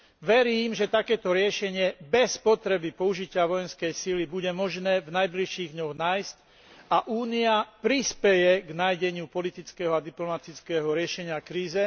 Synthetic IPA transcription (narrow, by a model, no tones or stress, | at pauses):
ʋɛɾiːmʒɛt̪akɛːt̪ɔɾɪɛʃɛɲɪɛbɛspɔt̪ɾɛbipɔuʒicɪaʋɔjɛnskɛjsilibuɟɛmɔʒnɛːvnajbliʃiːɣd̪ɲɔɣnaːjsc | aʔuːniapɾispɛjɛɡnajɟɛɲɪupɔlit̪it͡skɛɦɔad̪iplɔmat̪it͡skɛːɦɔɾɪɛʃɛɲɪakɾiːzɛ